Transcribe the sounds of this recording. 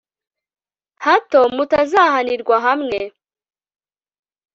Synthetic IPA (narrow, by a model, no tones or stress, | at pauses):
hato̞mutazaɦaniɾɡwaɦamŋe